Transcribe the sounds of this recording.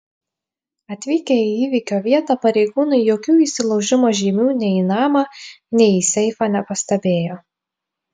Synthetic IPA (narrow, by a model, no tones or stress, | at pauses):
ɐt̪ʲʋʲiːkʲeiiːʋʲikʲoːʋʲiɛt̪ɑpɐɾʲɛɪɡuːnɐɪjoːkʲuːiːsʲɪlˠɐʊʒʲɪmoːʒʲiːmʲuːnʲɛinɑːmɑnʲɛɪisʲɛɪfɑːnʲɛpɐsʲt̪ɐbʲeːjoː